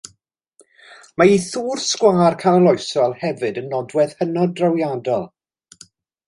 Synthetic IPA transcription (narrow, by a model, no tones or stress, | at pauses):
maiθuːrskwaːrkʰanalˠɔɨsɔlˠhɛvɨdənːɔdwɛð̥hənɔdrawjadɔlˠ